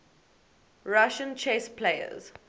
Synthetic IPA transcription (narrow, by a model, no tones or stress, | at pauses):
ɹaʃə̃nt͡ʃʰespʰleɪə̰z